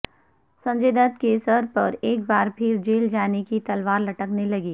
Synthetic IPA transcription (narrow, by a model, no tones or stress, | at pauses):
sɐ̃ɲd͡ʒeːd̪ət̪kesəɾpɐɾeːk̚baːɾpʰɪɾd͡ʒeːld͡ʒaːnekit̪ɐlʋaːɾlɐʈəknelɐɡiː